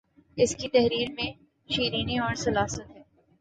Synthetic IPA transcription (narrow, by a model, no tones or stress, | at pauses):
ɪskit̪ɐɦɾiːɾmẽ | ʃiːɾiːniɔːɾsɐlaːsət̪ɦɛː